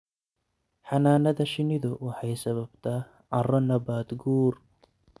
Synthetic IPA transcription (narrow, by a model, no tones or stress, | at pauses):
ħɑnaːnɐðɐʃɪnɪðʊwɑħɑjsɐβɐbt̪ʰɐ | ɐrɔnɐbaːd̪ɡuːr